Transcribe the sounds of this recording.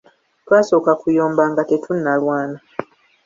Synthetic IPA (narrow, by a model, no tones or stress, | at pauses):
twaːso̞ːkakujoːmbaŋɡate̞tʰunːalwaːna